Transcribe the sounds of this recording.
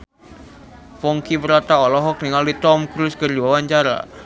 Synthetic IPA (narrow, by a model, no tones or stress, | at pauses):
fɔŋkibəɾat̪aɔlɔɦɔk̚niŋalit̪ɔmkɾuskərd͡ʒuwawaɲt͡ʃaɾa̰